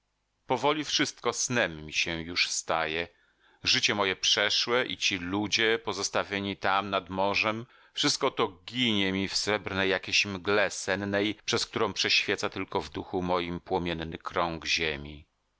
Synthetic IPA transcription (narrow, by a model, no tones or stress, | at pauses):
pɔvɔlʲifʂɘst̪̚kɔsnɛmːʲiɕɛjuʂst̪ajɛ | ʐɘt͡ɕɛmɔjɛpʂɛʂwɛʔḭt͡ɕilud͡ʑɛpɔzɔst̪avʲjeɲit̪amnad̪mɔʐɛm | fʂɨst̪̚kɔt̪ɔɡʲiɲɛmʲifsɾɛbɾnɛjːakʲeɕmɡlɛsɛnnɛjpʂɛsk̚t̪uɾɔ̃w̃pʂɛɕfʲjɛt̪sat̪ɘlkɔvd̪uxumɔjimpwɔmʲjɛnːɘkɾɔŋɡʑemʲi